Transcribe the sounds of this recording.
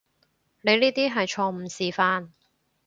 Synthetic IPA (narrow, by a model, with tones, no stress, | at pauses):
ne˨˧liː˥t̪iː˥ɦɐ˨jt͡ʃʰɔː˧m̩˨˩siː˨faː˧n